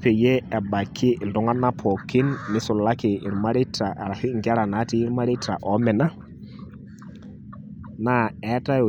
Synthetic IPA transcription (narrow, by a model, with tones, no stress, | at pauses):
pe˨je˦ɛ˨ɓa˨kʰːɪ˦ɪ˨ldʊ˨˦ŋa˦nːa˦pʰɔ˨kɪ˦nːɪ˦sʊ˨la˦kɪ˨ʔɪ˨ɾma˦ɾi˦tːa˨ʔa̰˨ɾa˨sɪ˦ŋ˨ɡɛ˦ɾa˨na˨˦ti˦ɾma˦ɾi˦ta̰˨ʔɔ˨˦mɛ˨na˦ | na˦ɛ˨˦ta˦jɔ˨